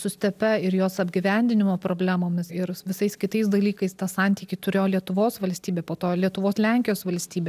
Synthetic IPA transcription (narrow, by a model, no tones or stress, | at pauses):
sʊsʲt̪ʲɛpʲɛɪɾjoːsɐbʲɡʲɪʋʲænʲd̪ʲɪnʲɪmoːpɾoːbʲlʲæːmoːmʲɪsɪɾʋʲɪsɐɪskʲɪt̪ɐɪsd̪ɐlʲiːkɐɪst̪ɑsɑnʲt̪ʲiːkʲɪt̪ʊɾʲeːjoːlʲiɛt̪ʊʋoːsʋɐlʲsʲt̪ʲiːbʲeːpoːt̪oːlʲiɛt̪ʊʋoːslʲɛŋʲkʲɪjoːsʋɐlʲsʲt̪ʲiːbʲeː